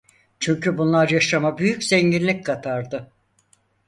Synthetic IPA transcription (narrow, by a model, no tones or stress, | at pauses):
t͡ʃʰyɲcʰybunlˠaɾjaʃamabyjycz̥ɛɲɟinlʲickʰat̪ʰaɾd̪ɯ